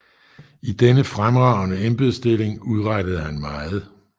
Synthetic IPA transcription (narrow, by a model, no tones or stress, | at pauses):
id̥enəfʁamʁɑ̈ʊ̰nəemb̥eð̩ˠsd̥e̝le̝ŋuð̞ˠʁɑd̥əð̞̩ˠhænmɑ̈ːð̞̩ˠ